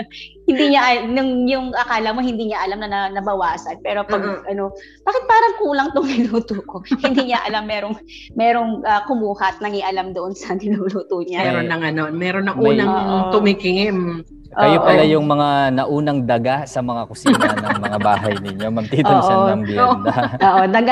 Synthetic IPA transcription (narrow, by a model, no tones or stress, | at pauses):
hɪnd̪iːɲaʔɐnʊŋjʊŋʔɐkaːlɐmo̞hɪnd̪iːɲaʔɐlamnɐnɐnɐbɐwaːsɐnpɛːɾo̞pɐɡʔɐno̞ | b̥aːkɪt̪̚paːɾɐŋkuːlɐŋt̪oŋmɪnuːt̪oko̞hɪnd̪iːɲaʔɐlamːɛːɾo̞ŋ | mɛːɾo̞ŋʔɐkʊmuːhɐt̪̚nɐŋiʔɐlamd̪oʔo̞nsɐmɪnuluːt̪oɲamɛɾonːɐŋɐno̞nmɛːɾonːɐŋʔuːnɐŋoʔtʊmikɪŋɪm | ʔokɐjopɐlajʊŋmɐŋanɐʔuːnɐŋd̪ɐɡasɐmɐŋakʊsiːnɐnɐŋmɐŋabaːɦɐjnɪɲo̞mɐɡ̚t̪it̪oːʔŋd̪d̪ɐoːʔod̪ɐɡa